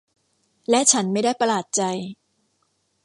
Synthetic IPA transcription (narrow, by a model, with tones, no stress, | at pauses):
lɛ˦˥t͡ɕʰa˦˥nma˥˩jdaː˥˩jpa˧laː˨˩t̪̚t͡ɕa˧j